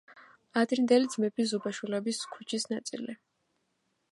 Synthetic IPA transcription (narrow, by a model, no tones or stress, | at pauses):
ad̪ʼind̪ɛlid̪zmɛpʰizubaʃwilɛbiskʰu̥t͡ʃʰisnat̪sʼḭli